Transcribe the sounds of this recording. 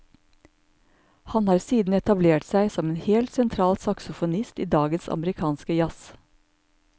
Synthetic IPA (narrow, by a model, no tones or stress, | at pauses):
hɑnhɑːɾsiːd̪n̩ɛt̪ɑbleːʈsæɪsɔmeːnheːlt̪sɛnt̪ʰɾɑːlsɑksʊfʊnɪst̪iːd̪ɑːɡənsɑ̰məɾɪkʰɑːnskəjɑs